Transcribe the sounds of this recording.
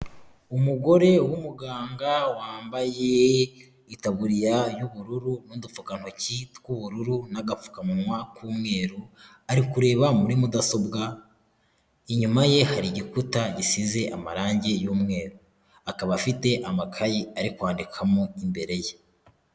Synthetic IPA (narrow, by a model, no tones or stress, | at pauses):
umuɡo̞ɾe̞wumuɡaːŋɡawaːmbaje | itaβuɾijajuβuɾuɾunuːndufukan̥ho̞citkuβuɾuɾunaɡafu̥kamunwakuːmŋe̞ːɾu | aɾikuɾe̞ːβamuɾimudaso̞bɡa | iɲumaje̞haɾiɟikutaɟisize̞ʔamaɾaːɲɟe̞juːmŋe̞ːɾu | akaβafite̞ʔamakʰajiaɾikwaːndikʰamoimbe̞ɾe̞je